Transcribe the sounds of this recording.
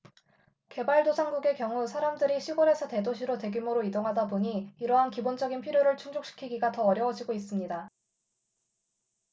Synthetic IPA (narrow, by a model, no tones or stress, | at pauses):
ke̞baɭdosʰaŋɡuɡe̞kjʌŋusʰaɾamdɯɾiɕʰiɡʌɾe̞sʰʌte̞doɕʰiɾote̞ɡumoɾoidoŋɦadapuɲiːɾʌɦankibond͡ʑʌɡinpʰiɾjoɾɯɭt͡ɕʰuŋd͡ʑok̚ɕ͈i̥kʰiɡiɡatʌːɾjʌwʌd͡ʑiɡois͈ɯmɲida